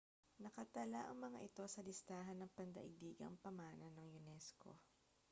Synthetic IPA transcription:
nɐkɐt̪ɐlaʔɐ̰ŋmɐŋa̰ʔɪt̪o̞sɐlɪst̪aːɦɐnːɐŋpɐnd̪ɐ̰ʔɪɡ̚d̪iːɡɐ̰ŋpɐmaːnɐnɐŋjʊnɛsko̰

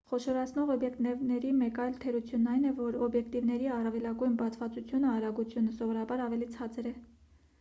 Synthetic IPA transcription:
χɔʃɔɾɑt͡sʰnɔʁɔbjɛkt̪nɛvnɛɾimɛkɑjlt̪ʰɛɾut͡sʰjunːɑjnɛvɔɾɔbjɛkt̪ivnɛɾiɑrɑvɛlɑɡujnbɑt͡sʰvɑt͡sut͡sʰjunəɑɾɑɡut͡sʰjunəsɔvɔɾɑbɑɾɑvɛlit͡sʰɑt͡sɛɾɛ

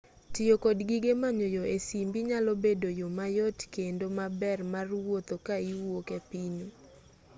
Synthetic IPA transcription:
tɪjokodɡiɡemaɲojoesimbiɲalobedojomajɔtkendomabɛrmarwot̪okaiwokɛpino

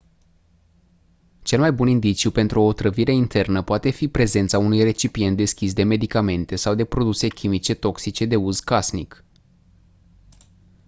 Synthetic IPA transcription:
t͡ʃe̞lmajbunind̪it͡ʃijupe̞nt̪ɾuoːt̪ɾəviɾe̞int̪ʰe̞rnəpoat̪e̞fipɾe̞ze̞nt̪saunujre̞t͡ʃipie̞nt̪̚d̪e̞skʲisd̪e̞me̞d̪ikame̞nt̪e̞sawd̪e̞pɾo̞d̪use̞kʲʰimit͡ʃe̞t̪o̞ksit͡ʃe̞d̪e̞uzkasnik

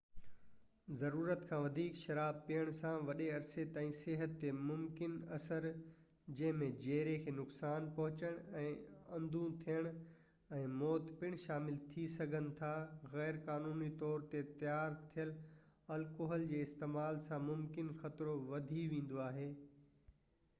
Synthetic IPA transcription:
zɐɾuːɾət̪kʰãːʋɐd̪ʱiːkʃɐɾaːbpijəɽ̃sãʋɐɗeɐɾset̪ãːĩseɦət̪ːemʊmkɪnɐsəɾ | d͡ʑɐ̃ɦɪ̃mẽd͡ʑeːɾekʰeːnʊksaːnpɐɦʊt͡ɕəɽ̃ɛ̃ː | ɐ̃nd̪ʱũt̪ʰijəɽ̃ | ɛ̃ːmɔːt̪pɪɽ̃ʃaːmɪlt̪ʰisɐɡʱənɪ̆t̪ʰaɣɛːɾkaːnuːnit̪ɔːɾt̪et̪ɐjaːɾt̪ʰijəl | ɐlkoːɦəld͡ʑeːɪst̪eːmaːlsãmʊmkɪnxɐt̪ɾoʋɐd̪ʱiʋẽːn̆d̪oaːɦeː

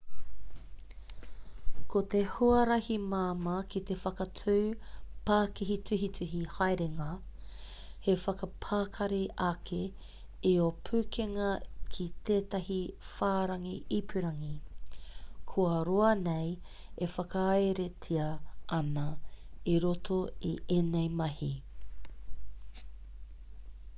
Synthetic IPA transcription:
kot̪ehuɐɾɐhimaːmɐkit̪efɐkɐtʰʉːpaːkiɦitʉɦitʉɦihajɾeŋɐ | hefɐkɐpʰaːkʰɐɾeʔɐkʰe | iopʰʉːkʰeŋɐkʰit̪eːtɐhifaːɾɐŋiipʰʉɾɐŋi | kʰuɐɾoɐnej | efɐkɐɐeɾetʰiɐʔɐnɐiɾotʰoiʔenejmɐhi

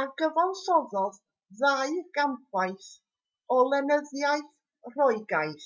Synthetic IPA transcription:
aɡəvalˠɬɔðɔð | ðajrɡ̥ampʰaɨθ | ɔlˠɛnəðjajθ | rɔɨɡajθ

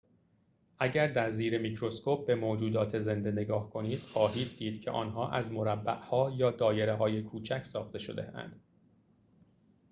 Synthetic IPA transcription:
ʔæɟæɾd̪æɾziːɾemicɾo̞skoːp̚ʰbe̞moːd͡ʒuːd̪ɒːt̪ʰe̞ze̞nd̪e̞ne̞ɡɒːhkʰo̞niːd̪̥xɒːɦiːd̪̚ːiːd̪̥cʰe̞̰ʔɒ̰ːnɦɒːʔæzmo̞ɾæbːæʔhɒːjɒːd̪ɒːje̞ɾeɦɒːje̞kʰuːt͡ʃʰæcʰsɒːxt̪e̞ʃo̞̰d̪eæ̰nd̪̥

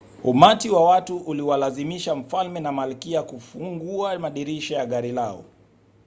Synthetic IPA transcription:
umatiwawatuʔːliwalazimiʃaɱ̩falmɛnamalikiakufuŋɡuamaɗiɾiʃɔjaɠaɾilaɔ̰

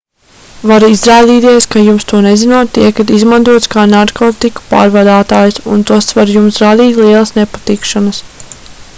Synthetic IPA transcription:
vaɾizɾaːd̪iːt̪iɛskajumst̪uɔnezinuɔt̪ːiɛkat̪izmant̪uɔt̪skaːnaɾkɔːt̪iku̥pa̰ːɾvad̪aːt̪aːjusṵnt̪uɔst̪svaɾjumsɾad̪iːt̪ʲlˠiɛlˠɐsnepat̪ikʃanɐs

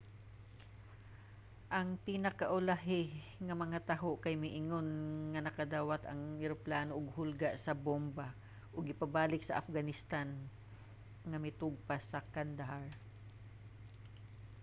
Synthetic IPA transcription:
ʔɐŋpɪnɐkaʔʊlaɦɪ | ŋɐmɐŋat̪aɦoʔkajmɪʔɪŋonŋɐnɐkɐd̪aːwat̪ɐ̰ŋɪɾoplaːnoʔʊɡ̚hʊlɡaʔsɐbomba | ʔʊɡɪpabaːlɪksɐʔafɡanɪst̪an | ŋɐmɪt̪ʊɡ̚pasɐkand̪aɦaɹ

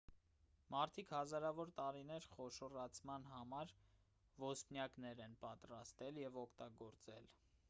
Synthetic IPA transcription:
mɑɾt̪ʰikhɑzɑɾɑvɔɾt̪ɑɾinɛɾχɔʃɔrɑt͡sʰmɑnɦɑmɑɾ | vɔsnjɑknɛɾɛnpɑt̪ɾɑst̪ɛljɛvɔkʰt̪ɑɡɔɾt͡sɛl

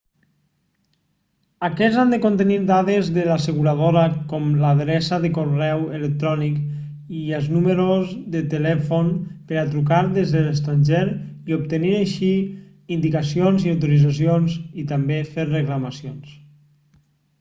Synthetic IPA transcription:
akɛzand̪əkont̪əniɾd̪aðezðəlasəɣuɾaðoɾəkɔmlaðɾɛsaðəkorɛwelək̚t̪ɾɔnik | iəlˠznuməɾozðət̪əlɛfonpəɾat̪ɾukaɾðezðələst̪ɾanʲʒeɾiop̚t̪əniɾaʃi | ind̪ikasionziawt̪oɾid͡zas̬ionzit̪ambefeɾrəklamasions

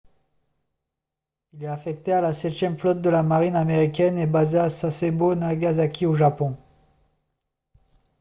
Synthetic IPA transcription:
ilɛafɛk̚t̪ealasɛt̪jɛmflɔt̪̚d̪əlamaʁinameʁikʲɛnebazeasasebonaɡazakʲʰioʒapɔ̃

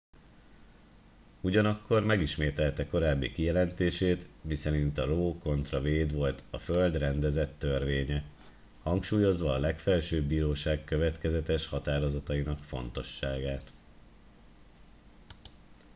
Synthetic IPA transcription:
uɟɒnɒkːo̞rmɛɡiʃmeːt̪ɛlt̪ɛko̞ɾaːbːḭkijɛlɛnt̪eːʃeːt̪misɛɾint̪ɒɾoːko̞nt̪rɒveːd̪ʋo̞lt̪ɒføld̪rɛnd̪ɛzɛt̪ːø̞rʋeːɲɛ | hɒŋkʃuːjo̞zʋɒːlɛkfɛlʃøːbbːiːɾoːʃaːkkøvɛt̪kɛzɛt̪ɛʃhɒt̪aːɾo̞zɒt̪ɒinɒkfo̞nt̪o̞ʃːaːɡaːt̪

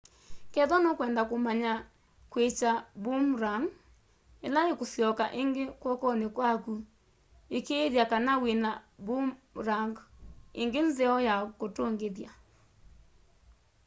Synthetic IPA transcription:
kɛðɔnokwɛndakomaɲa | kwet͡ʃabomɾaŋ | elaekosjɔkaʔeŋɡekwɔkɔnekwaku | ekeðjakanawenabumɾaŋɡḛŋɡenzeɔjakotoŋɡeðja

